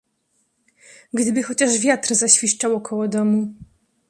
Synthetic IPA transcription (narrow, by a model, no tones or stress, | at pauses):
ɡd̪ɘbɘxɔt͡ɕaʂvʲjat̪ɾzaɕfʲiʂt͡ʂawɔkʰɔwɔd̪ɔmu